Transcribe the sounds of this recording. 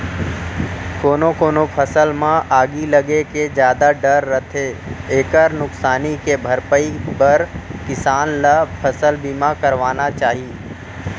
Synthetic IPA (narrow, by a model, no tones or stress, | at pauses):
koːnokoːnopʰɐsəlmãʔaːɡilɐɡeked͡ʒjaːd̪aɖɐɾːɐt̪ʰeeːkəɾnʊksaːnikebʱɐɾpəibɐɾkɪsaːnlapʰɐsəlbiːmãkɐɾʋaːnat͡ʃaːɦi